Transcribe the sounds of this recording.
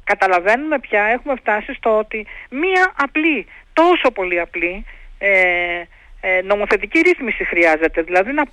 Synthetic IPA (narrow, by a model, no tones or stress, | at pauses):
kɐt̪ɐlɐve̞nume̞pçɐe̞xume̞ft̪ɐsist̪o̞o̞t̪imiɐʔɐplit̪o̞so̞po̞liɐplie | no̞mo̞θe̞t̪iciɾiθmisixɾiɐze̞t̪e̞ðilɐðinɐ